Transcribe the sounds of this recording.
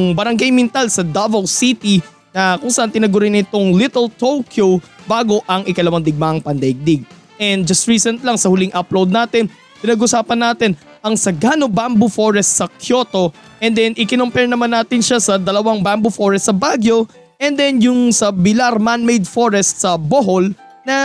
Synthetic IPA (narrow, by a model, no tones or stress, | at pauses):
ŋbɐɾɐŋɡajmɪnt̪alsɐd̪avɐwsit̪i | nɐkʊŋsaʔant̪ɪnɐɡʊɾɪnɪt̪oŋlit̪ɛlt̪owkʰjowbaːɡo̞ʔɐŋʔɪkɐlɐwaŋd̪ɪɡ̚maʔɐŋpɐnd̪ɐɪɡ̚d̪ɪɡ̚ | ʔɛnd̪̚d͡ʒɐst̪ɹiːsɛnt̪lɐŋsɐhʊlɪŋʔɐplowd̪̚naːt̪ɪn | pɪnɐɡʔʊsaːpɐnːaːt̪ɪn | ʔɐŋsɐɡaːnobambufoɹɛst̪̚sɐkjo̞ːt̪o̞ | ʔɛnd̪ɛnʔɪkɪnompɛɹnɐmanːaːt̪ɪnʃasɐd̪ɐlɐwaŋbambufoɹɛst̪sɐbaɡjo̞ | ʔɛnd̪ɛnjʊŋsɐbɪlaɾmanmejd̪foɹɛst̪sɐboɦol | nɐ